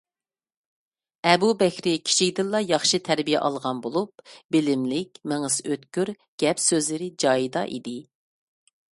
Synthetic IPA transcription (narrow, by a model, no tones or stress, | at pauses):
ɛbubɛkʲʰɾɪkʲʰi̥t͡ʃʰikʲd̪ɪlˠlˠɑjɑχʃit̪ʰæɾbijɛ̰ʔɑlˠʁɑnbolˠup̚b̥ɪlɪmlɪkʲmeŋɨsøt̪kʲyɾ | ɡ̥ʲɛpsøzlɪɾɪd͡ʒɑːjid̪ɑ̰ʔḭd̪ɪ